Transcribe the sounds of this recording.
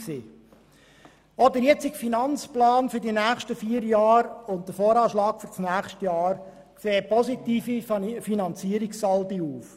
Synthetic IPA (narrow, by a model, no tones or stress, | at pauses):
siː | ɔdəɾjɛt͡sɪkfinɑnt͡splɑːnfʏɾdinæːχʃtəfiːəɾjɑːɾʊnt̚dəfoːɾɑːʃlɑːkfyɾsnæːχʃtəjɑːɾ | kseːpɔsitiːfifinɑnt͡siəɾikssɑldiuːf